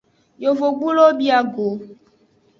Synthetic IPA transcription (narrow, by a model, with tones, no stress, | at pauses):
jo˨vo˨ɡ͡bu˦lo˦bi˦a˦ɡo˨